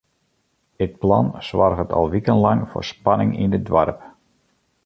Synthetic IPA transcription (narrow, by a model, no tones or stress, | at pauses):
dət̚plɑnsʋarɣətʰɑ̰lˠʋikəntlɑŋfʊ̰ːrspɑnɪŋḭnədʋarp